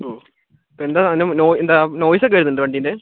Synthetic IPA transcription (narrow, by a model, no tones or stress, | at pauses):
oː | pːoend̪aːnenoːend̪aːnoːjisɐkːɐjɾnːɨɳɖɨʋɐɳɖiːnd̪e